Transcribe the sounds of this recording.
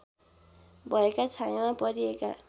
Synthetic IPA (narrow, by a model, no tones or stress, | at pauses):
bʱʌekat͡sʰajmãpʌɾieka̰